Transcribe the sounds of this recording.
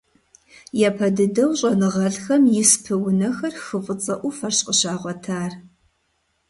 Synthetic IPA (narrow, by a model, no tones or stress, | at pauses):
japʰɐdɨdɐwɕʼɐnɨʁɐɮxɐmjɪspʰɨwʊnɐxɐrxɨfʼət͡sʼɐʔʷʊfɐrɕʼqʼəɕaːʁʷɔtʰaːr